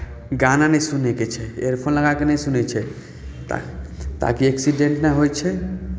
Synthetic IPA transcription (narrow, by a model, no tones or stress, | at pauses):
ɡananɛ̃suneket͡ʃʰɛeɾpʰonləɡakenɛisunet͡ʃʰɛ̰ | t̪a̰kieksiɖẽɳʈnɛɦojt͡ʃʰɛ